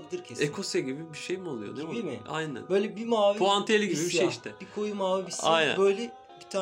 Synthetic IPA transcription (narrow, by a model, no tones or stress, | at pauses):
bid̪ʲˠiɾcʰeekʰo̞seɟibibiʃejmalˠɯjo̰nemiiia̰jnæ̰nbøjlʲɛbimaːvpoant̪ʰielʲiɟiibiʃeiʃt̪ʰɛb̥ikʰojumaːvibisajnæ̰bøjlʲɛ | bi̥t̪ʰa